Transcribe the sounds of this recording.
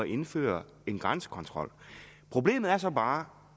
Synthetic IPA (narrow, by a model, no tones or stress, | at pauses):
ɒʔe̝nfø̰ːɐ | e̝nɡ̥ʁansə̥kʰɒ̽nt͡sʰʁɒ̽l̰pʰʁo̝b̥le̝̰ːmð̩ˠæɐsɒ̽b̥ɑ̈ː